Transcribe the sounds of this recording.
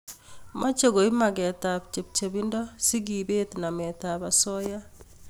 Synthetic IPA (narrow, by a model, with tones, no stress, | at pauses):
mʔa˦t͡ʃe˦ɡo˨i˦ma˨ɡɛ˨ta˨p̚t͡ʃe˨p̚t͡ʃe˨bi˦ndɔ˦si˦ɡibe˦tna˨mɛta˨basɔ˦ja˦